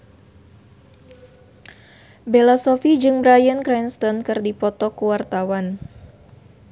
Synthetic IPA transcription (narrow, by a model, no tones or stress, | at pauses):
belasɔfid͡ʒɨŋbɾajənkɾɛnst̪ɔnkɨrdipɔt̪ɔkuwart̪awan